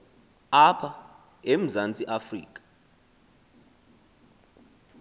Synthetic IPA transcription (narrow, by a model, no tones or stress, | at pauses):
apʰa | em̩zant͡sʼiʔafrḭːkʼḁ